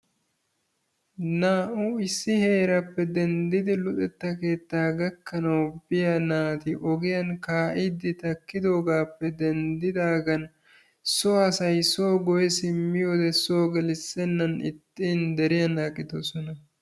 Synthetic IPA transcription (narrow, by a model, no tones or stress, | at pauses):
naːʔuɪsːɪhe̞ːɾɐpːɛd̪ɛnd̪ɪd̪ɪlʊt̪ʼɛt̪ːɐke̞ːt̪ːaːɡɐkːɐnɐwbɪjɐnaːt̪ɪʔɔɡɪjɐnkaːʔɪd̪ːɪt̪ɐkːɪd̪o̞ːɡaːpːɛd̪ɛnd̪ɪd̪aːɡɐn | sɔɐsɐjsoːɡɔjɛsɪmːɪjoːd̪ɛso̞ːɡɛlɪsːɛnːɐnɪ̰t̪ːiːnd̪ɛɾɪjɐnːaːkʼːɪd̪osɔnɐ